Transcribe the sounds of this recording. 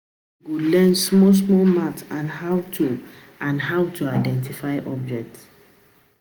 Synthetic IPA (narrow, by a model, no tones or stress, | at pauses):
ɡolɛnsmɔs̬mɔlmatãnhawtʰu | ãnɦawtʰuaɪdɛ̃ntifajʔɔb̚d͡ʒɛk̚t